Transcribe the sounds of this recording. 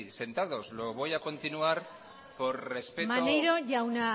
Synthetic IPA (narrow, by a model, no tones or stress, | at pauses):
se̞nt̪aðo̞zlo̞βo̞jako̞nt̪inuaɾ | po̞ɾre̞spemanejɾoʝauna